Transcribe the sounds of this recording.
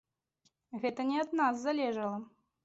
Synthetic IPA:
ɣɛt̪ɐnʲɛɐd̪naszːalʲɛʐɐlˠɐ

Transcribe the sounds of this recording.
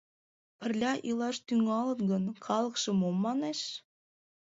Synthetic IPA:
pɘ̆rlʲɑʔilˠɑʃt̪yŋɑlɤ̆tɡənkɑlˠɤkʃɤ̆momːɑneʃ

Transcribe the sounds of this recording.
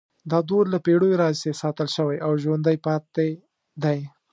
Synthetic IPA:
d̪ɑd̪oɾlapeɽojoɾɑzsesɑt̪əlʃəwajʔawʒwand̪ajpɑt̪e | d̪aj

